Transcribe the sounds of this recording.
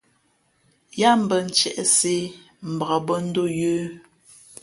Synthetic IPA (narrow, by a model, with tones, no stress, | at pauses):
ja˦m̩˨bə˨n̩˦t͡ʃɛ˨ʔɛ˦se˦ | m̩˨ba˨a˨bə˦n̩˦do˦˨jəː˦